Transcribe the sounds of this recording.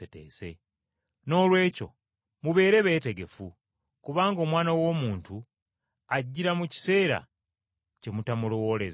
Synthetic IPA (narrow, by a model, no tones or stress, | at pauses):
ete̞̰ːse̞̰ | no̞ːlwe̞ːco̞̰ | muβe̞ːɾe̞βe̞ːte̞ɡe̞fu | kuβaːŋɡo̞ːmwaːnawo̞ːmuːntu | aɟːiɾamuci̥se̞ːɾa̰ | ce̞mutamulowo̞le̞z